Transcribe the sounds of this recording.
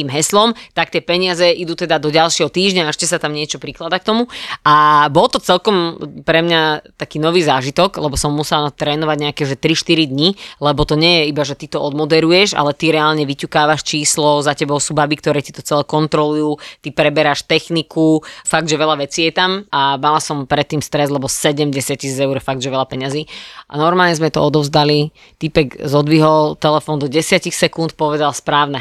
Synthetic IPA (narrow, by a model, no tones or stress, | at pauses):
iːmɦɛslɔmt̪ak̚t̪ɪɛpɛɲiɪazɛʔid̪uːt̪ɛd̪ad̪ɔɟalʃɪɛɦɔt̪iːʒɲaɛʃcɛsat̪amɲɪɛt͡ʃɔpɾiklad̪ak̚t̪ɔmuabɔlˠt̪ɔt͡sɛlkɔmpɾɛmɲat̪akiːnɔʋiːzaːʒit̪ɔɡlɛbɔsɔmːusɛlat̪ɾɛːnɔʋaɟɲɛakɛʒɛt̪ɾiʃt̪iɾid̪ɲilɛbɔt̪ɔɲɛjɛibaʒɛt̪it̪ɔɔd̪mɔd̪ɛɾujɛʒa̰lɛt̪iɾɛaːlɲɛʋicukaːʋaʃt͡ʃiːslɔzacɛbɔʊsuːbabikt̪ɔɾɛːci̥t̪ɔt͡sɛlɛkɔnt̪ɾɔlujut̪ipɾɛbɛɾaʃt̪ɛxnikʰufaɡ̚d̪ʒɛʋɛʎaʋɛt͡siːjɛt̪amamalasɔmpɾɛt̪ːiːmst̪ɾɛzlɛbɔsɛɟɛmɟɛsɪaciːsid͡zɛʊɾfaɡ̚d̪ʒɛʋɛʎapɛɲaziʔa̰nɔɾmaːlɲɛzmɛt̪ɔ̰ɔd̪ɔʊzd̪ali | t̪ipɛɡzɔd̪ʋiɦɔlt̪ɛlɛfɔnd̪ɔɟɛsɪacixsɛkunt̪pɔʋɛd̪alspɾaːʊnɛ